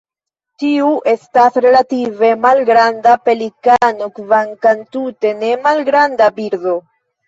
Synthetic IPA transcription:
tiuʔe̞stasɾe̞lative̞malɡɾandape̞likanokvaŋkantute̞ne̞malɡɾandabiɾdo̞

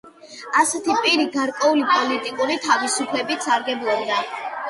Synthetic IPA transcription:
asɛt̪ʰipʼiɾiɡaɾkʼwɛulipʼɔlit̪ʼikʼuɾit̪ʰavisupʰlɛbit̪saɾɡɛblˠɔbd̪a

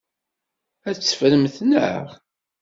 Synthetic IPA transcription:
æt͡sːfɾəmθnə̰ʁ

